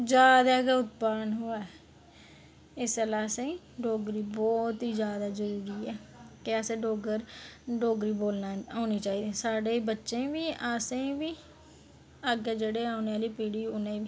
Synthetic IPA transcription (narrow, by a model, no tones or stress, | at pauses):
d͡ʒjaːd̪aːɡeːʊt̪̚paːnɦoːaːɛ | ɪsəlaːsẽ | ɖoːɡɾiːbɔːt̪iːd͡ʒjaːd̪aːzəɾuːɾiːɛːkɪəsẽːɖoːɡəɾɖoːɡɾiːboːlnaːaːniːt͡ʃaːiːd̪iːsaːɖeːbətːʃẽːʋiːaːsẽːʋiː | əɡeːd͡ʒeːɽeːaːneːaːliːpiːɽiːʊnẽːʋiː